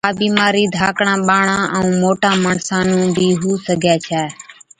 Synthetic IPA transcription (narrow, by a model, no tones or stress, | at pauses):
aːɓiːmaːɾiːd̪ʱaːkɳãːɓaːɳãːʔəũːmoːʈãːməɳsaːnũːnb̪iːɦuːsəɡʱɛːt͡ʃʰɛː